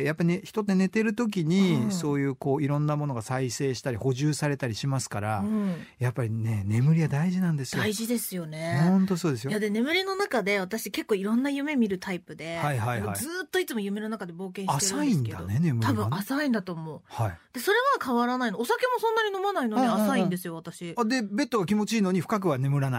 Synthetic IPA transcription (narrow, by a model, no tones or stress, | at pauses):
japːaineçi̥t̪o̞t̪ːe̞ne̞t̪e̞ɾɯ̟t̪o̞k̬ʲiɲ̟isso̞ːjɯ̟ːko̞ːiɾõ̞nːamono̞ɡasaise̞ːɕi̥t̪aɾʲiho̞ʑɨːsaɾe̞t̪aɾʲiɕimasɨ̥kaɾã | japːaɾʲine̞ne̞mɯ̟ɾʲiβad̪aiʑinãnd̪e̞sɨd̪joiʑid̪e̞sɨjo̞ne̞õnt̪o̞so̞ːd̪e̞sɨjjad̪e̞ne̞mɯ̟ɾʲino̞nakad̪e̞βat̪aɕike̞kːo̞ːiɾõ̞nːajɯ̟me̞mʲiɾɯ̟t̪ʰaipɯ̟d̪e̞haihaiha̰izɨːt̪ːo̞it͡sɨmo̞jɯ̟me̞nɯnakad̪ebo̞ːkẽɕteɾsaĩnsned̪aonenemɯt̪ʰabɯ̟̃asaĩnd̪at̪o̞ːmo̞ːhaid̪̥e̞so̞ɾe̞βakʰaβaɾanainoosake̞mo̞sõ̞nːaɲ̟ino̞manaino̞niasaĩnd̪e̞sɨjo̞βat̪aɕiad̪e̞be̞t̪ːoɡakʲimo̞t͡ɕiːno̞ɲ̟iɸɯ̟̥kak̬ɯ̟βane̞mɯ̟ɾana